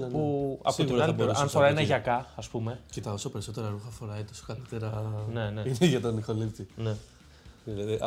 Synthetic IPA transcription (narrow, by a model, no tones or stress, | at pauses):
nnpuɐ̰puinɐlipoɾɐnfoɾɐinɐʝɐkɐɐspume̞cet̪ɐo̞sope̞ɾiso̞t̪e̞ɾɐɾuxɐfo̞ɾɐit̪o̞so̥kalit̪e̞ɾɐne̞neineʝɐt̪onixolit̪ine | ilɐðiʔɐ